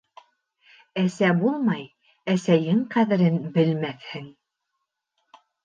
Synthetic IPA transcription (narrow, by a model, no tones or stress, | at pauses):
æsæbulˠmɑj | æsæjɘŋqæðɘ̆ɾɘnbɘ̆lmæθhɘŋ